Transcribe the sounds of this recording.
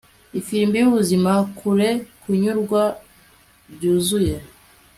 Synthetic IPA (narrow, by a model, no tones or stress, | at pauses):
ifiɾimbijuβuzimakʰuɾe̞kʰuɲuɾɡwa | bɟuːzuje̞